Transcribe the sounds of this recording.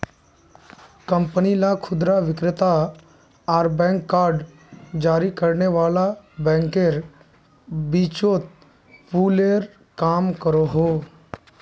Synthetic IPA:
kə̃mpənilakʰʊd̪ɾaʋɪkɾɪt̪a | ɔːɾbɛ̃ːŋkːaːɾɖ | d͡ʒaːɾikəɾneʋaːlabɛ̃ːŋkeɾ | biːt͡ʃot̪̚ | puːleɾ | kaːmkəɾoɦoː

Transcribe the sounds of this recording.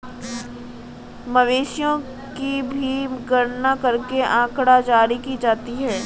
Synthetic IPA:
mɐʋeːʃjõ | kibʱimkəɾnakɐɾkeʔãːkɽad͡ʒaːɾikid͡ʒaːt̪iɦɛː

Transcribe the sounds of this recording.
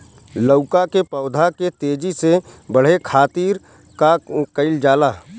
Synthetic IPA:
ləʊkakepɔːʊd̪ʱaket̪eːd͡ʒisebəɽ̤ekʰaːt̪iːɾ | kakəɪld͡ʒaːlaː

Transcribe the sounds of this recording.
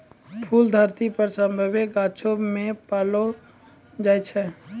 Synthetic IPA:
pʰuːld̪ʱəɾt̪ipəɾsə̃mbʱəbeɡaːt͡ʃʰomẽpaːlo | d͡ʒaːjt͡ʃʰɛ

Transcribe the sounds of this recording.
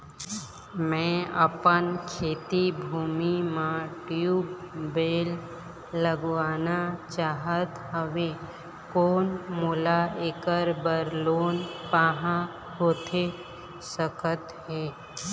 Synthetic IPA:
mɛ̃ə̰pənkʰeːt̪ibʱuːmimãʈjuːbbeːlː | əɡʋaːnat͡ʃaːɦət̪ɦəʋe | koːnmuːlaeːkəɾbəɾloːnpaːɦã | hoːt̪ʰe | səkət̪ɦeː

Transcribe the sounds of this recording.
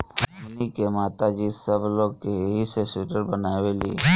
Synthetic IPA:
ənikemaːt̪ad͡ʒisəbloːɡkeɦisesuʈəɾbənaːʋelḭ

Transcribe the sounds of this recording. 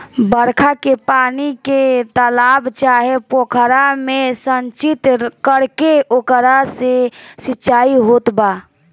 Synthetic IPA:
bəɾkʰakepaniket̪əlabt͡ʃaɦepokʰəɾamesənt͡ʃit̪kəɾkeokəɾasesitːt͡ʃaiɦot̪ba

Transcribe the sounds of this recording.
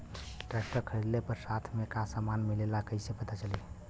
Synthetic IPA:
ʈɾɛk̚ʈəɾkʰəɽid̪lepəɾsat̪ʰmekãsamanmilelakəɪsepət̪at͡ʃəli

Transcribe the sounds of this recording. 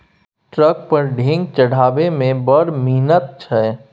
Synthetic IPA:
ʈɾək̚pəɾɖʱɪ̃ŋɡ̚t͡ʃəɽ̤aːbemẽbəɾmiːnət̪̚t͡ʃʰɛː

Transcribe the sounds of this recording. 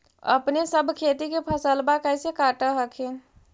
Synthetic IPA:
ə̰pnesəbʱkʰet̪ikepʰəsəlbakəɪsekaʈəɦəkʰen

